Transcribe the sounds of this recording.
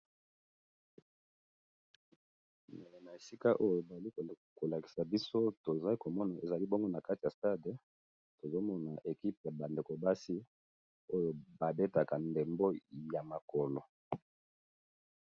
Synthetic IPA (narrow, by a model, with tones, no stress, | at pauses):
mne˨le˨na˨e˨si˦ka˦ʔo˦jo˨ba˨li˦k | ko˨la˨ki̥˨sa˨bi˦so˦to˨za˦i˦ko˨mɔ˦na˨e˨za˨li˦bo˦ŋɡo˦na˨ka˦ti˨ja˨sta˦d | to˨zo˦mɔ˦na˨ʔe˨ki˦p̚ja˨ba˨nde˨ko˨ba˦si˦ | o˦jo˨ba˨be˦ta˨ka˨nde˨mbo˦ja˨ma˨kɔ˨lo˨